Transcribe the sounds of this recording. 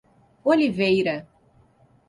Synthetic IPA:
olivejɾɐ

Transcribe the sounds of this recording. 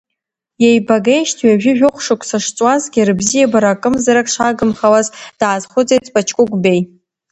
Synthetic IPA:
jejbaɡejʃtʰɥaʒᶣʊʒᶣʊχʷʂʊkʷʰsaʂt͡sʼwazɡʲrɨbzijabaɾakʼɨmzaɾakʼʂaɡɨmχawazd̥aːzχʷʊt͡sʼejt͡sʰʼpʼat͡ʃʰkʷʼʊkʷʼbe̞j

